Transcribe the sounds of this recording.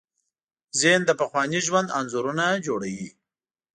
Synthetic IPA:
zend̪əpaxwɑniʒwand̪anzuɾunad͡ʒoɽawi

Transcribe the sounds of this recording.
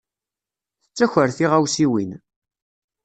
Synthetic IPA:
θət͡sːæçʷəɾθiʁæwsiwin

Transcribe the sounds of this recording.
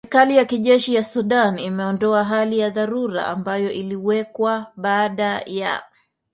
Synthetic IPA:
sɛɾikalijakiʄɛʃijasuɗanimɛɔndɔaɦalijaðaɾuɾa̰ʔa̰mbajɔʔiliwɛkwaɓaːɗaja̰

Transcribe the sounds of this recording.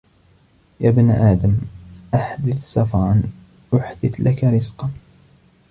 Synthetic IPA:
jaːbnaʔaːd̪amʔaħd̪ɪθsɑfɑɾˤɑn | ʔʊħd̪ɪθlʔakaɾɪzqɑn

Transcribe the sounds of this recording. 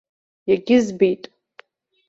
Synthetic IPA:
jaɡʲɪzbijtʼ

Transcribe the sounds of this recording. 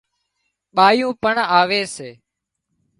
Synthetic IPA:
ɓaːjũːpəɳaːʋeːseː

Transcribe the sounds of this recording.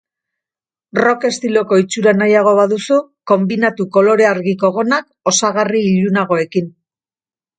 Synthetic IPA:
ro̞ke̞st̪ilo̞ko̞it͡ʃuɾanajaɣ̞o̞βaðusuko̞mbinat̪uko̞lo̞ɾe̞aɾɣiko̞ɣ̞o̞nak | o̞saɣariːʎunaɣ̞o̞e̞kin

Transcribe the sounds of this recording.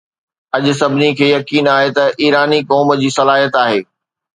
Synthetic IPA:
ɐʄʊ̆sɐbʱɪnikʰeːjɐkiːnaːɦet̪ɐʔiːɾaːnikɔːm̆d͡ʑiːsɐlaːɦijət̪aːɦeː

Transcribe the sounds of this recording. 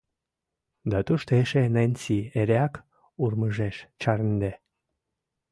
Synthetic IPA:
d̪at̪uʃt̪eʃenenʲt͡sieɾeak | urmɨʒeʃt͡ʃaɾnd̪e

